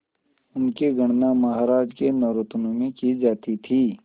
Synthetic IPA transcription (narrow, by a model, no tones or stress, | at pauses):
ʊnkeɡɐɽ̃namɐɦaːɾaːd͡ʒkenɐɾʊt̪nõmẽkid͡ʒaːt̪it̪ʰiː